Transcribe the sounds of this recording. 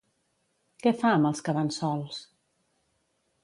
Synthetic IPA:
kɛfaəməlˠskəβansɔlˠs

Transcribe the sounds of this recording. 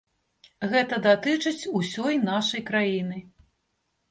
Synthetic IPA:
ɣɛt̪ɐd̪at̪ɨt͡ʂɨt͡sʲusʲɔjnaʂɐjkɾajinɨ

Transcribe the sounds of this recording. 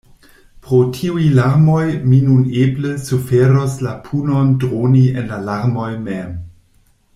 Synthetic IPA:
pɾotʰiujlaɾmojminunebləsufeɾoslapʰunondʁonienlalaɾmojmem

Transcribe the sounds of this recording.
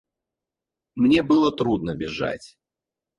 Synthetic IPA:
mnʲebɨlˠət̪ɾud̪nəbʲɪʐa̰tʲ

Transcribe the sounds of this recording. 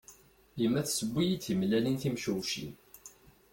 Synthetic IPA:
əmːæθsəbːijit͡sːimlælinθimʃuwʃḭn

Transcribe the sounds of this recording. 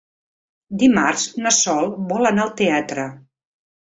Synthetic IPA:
d̪imarznəsɔlˠβɔlənaəlˠt̪eat̪ɾə

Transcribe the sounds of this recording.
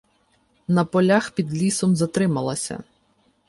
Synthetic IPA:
nɐpɔlʲaxpʲid̪lʲisɔmzɐt̪ɾɪmɐlˠɐsʲɐ̰

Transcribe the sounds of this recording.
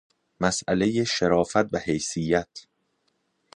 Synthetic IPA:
mæsʔæle̞jeʃeɾɒːfæt̪̚bæhejsijːæt̪ʰ

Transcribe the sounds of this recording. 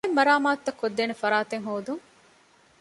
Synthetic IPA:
emːɐɾaːmaːt̪ːɐkːod̪ːeːnefɐɾaːt̪eŋɦoːd̪uŋ

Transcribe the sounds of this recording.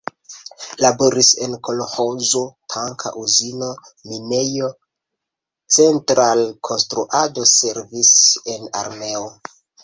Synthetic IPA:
labo̞ɾise̞nko̞loho̞zotʰaŋkʰa̰ʔuzino̞ | mine̞jo̞ | t͡se̞ntɾalkʰo̞nstɾuʔado̞se̞ɾvise̞na̰ɾme̞o

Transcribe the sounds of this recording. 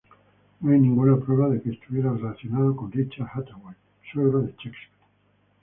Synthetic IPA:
noajnĩŋɡunapɾweβaðekeːst̪uβje̞ɾarelaθjonaðakonrit͡ʃahat̪awej | soɾaðet͡ʃekspi̥

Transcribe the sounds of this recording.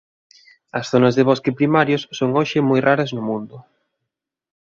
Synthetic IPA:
ɐsθonɐzðɪβ̞ɔskɪpɾimaɾjʊsːoŋoʃɪmojraɾɐznʊmũnd̪ʊ

